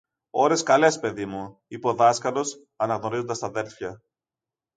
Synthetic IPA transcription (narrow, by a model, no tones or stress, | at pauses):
o̞ɾe̞skɐle̞spe̞ðimuipo̞ðɐskɐlo̞s | ɐnɐɣno̞ɾizond̪ɐst̪ɐðe̞lfçɐ